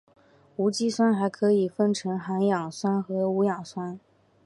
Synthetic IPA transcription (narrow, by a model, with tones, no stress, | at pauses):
u˧˥t͡ɕi˥swa˥nxa˧˥ɪkʰɤ˧˥i˨˩fə˥nʈ͡ʂʰɤ˧˥ŋxa˧˥njɑ˨˩ŋswa˥nxɤ˧˥u˧˥jɑ˨˩ŋswa˥n